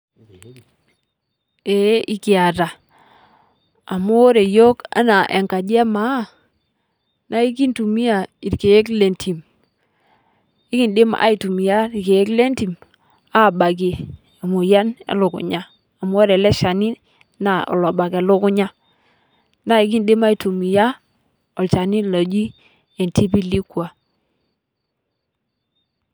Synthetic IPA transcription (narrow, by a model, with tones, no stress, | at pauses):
e˨˦ʔi˦ki˨a˨ta˨ | a˨mu˦o˦ɾe˨jo˦ka̰˦na˨ʔḛ˨ŋka˨d͡ʒe˦ma˨˦ | na˦i˦k̬i˦ntu˨mi˦a˨i˨ɾke˨je˦kle˨ntʰi˨m | i˦ki˨nde˦m˦ʔa̰˦i˨tu˨mi˨ja˦i˨ke˨je˦kle˦nti˨m | a˦˨ba˨ɡe˨ | a˨mu˨ja˦nḛ˦lu˨ɡṵ˨ɲa˦ | a˨m˦o˦ɾɛ˨lɛ˦ʃa˨ni˦ | na˨ɔ̰˨la˨ba˨ke˨lu˦ku˦ɲa˦ | na˦i˨˦ɡi˦nde˦ma˦i˨tu˨mi˨ja˦ | ɔ˨lt͡ʃa˨ni˦la˨d͡ʒi˦ | e˨nti˦pi˦li˦kwa˨